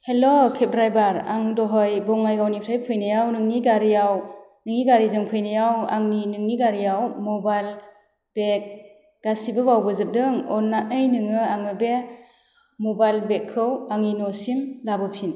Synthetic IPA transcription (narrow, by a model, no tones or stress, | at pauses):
helokʰep̚dɾajbaɾa̰ŋdɔɦɔjbɔŋajɡawnitʰajpʰɯjnɯjawnɯŋniɡaɾijaw | nɯŋniɡaɾizɯŋpʰɯjnɯjawa̰ŋninɯŋniɡaɾijawmɔbajl | b̥ek̚ | ɡ̥asibɯbawbɯzɯp̚dɯŋɔnːat̚nɯjnɯŋɯaŋɯbe | mɔbajlbekʰːɯwaŋinɔsimlabɯpʰin